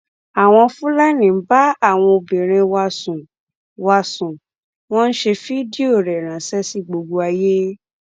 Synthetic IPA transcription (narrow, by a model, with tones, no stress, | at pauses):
a˨w̃ɔ̃˧fũ˦la˦nĩ˨m̩˦ba˦a˦˨w̃ɔ̃˧o˧bĩ˨ɾ̃ĩ˧wa˧sũ˨ | wa˧sũ˨ | w̃ɔ̃˦n̩˦ʃe˧fi˦di˦o˦˨ɾɛ˨ɾ̃ã˨˦sɛ˦si˦˨ɡ͡bo˧ɡ͡bo˧a˧je˦